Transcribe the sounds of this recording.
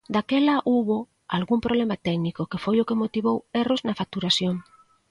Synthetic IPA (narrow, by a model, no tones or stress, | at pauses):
d̪akelaʔuβo | alɣumpɾʔoβlemat̪ɛknikokefojokemot̪iβ̞oweroznafak̚t̪uɾasjoŋ